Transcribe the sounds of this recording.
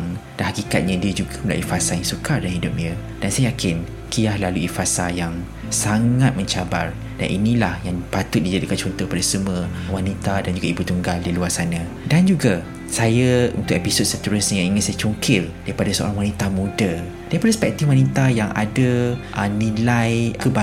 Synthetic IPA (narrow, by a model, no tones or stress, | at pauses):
ŋd̥anhakika̰t̪̚ɲãdiəd͡ʒuɡaməla̰ʔifasajaŋsukardanhidʊp̚ɲə | d̥ansajajakʰɪn | kʰijahlaluifasajaŋ | saŋãt̪̚mə̃ɲt͡ʃabar | d̥a̰nʔinĩlahjaŋpat̪ʊt̪̚did͡ʒadikant͡ʃɔnt̪ɔhk̚padasəmuəwanit̪adand͡ʒuɡaibut̪uŋɡaldiluarsanã | dand͡ʒuɡa | sajaṵnt̪ʊkepisot̪̚sət̪əɾʊsɲjaŋiŋɪnsajat͡ʃuŋkʰɪldaɾipadasəo̰ɾaŋwanit̪amũda | daɾipadaspɛk̚t̪ifwanit̪ajaŋʔa̰daʔənĩlajkəba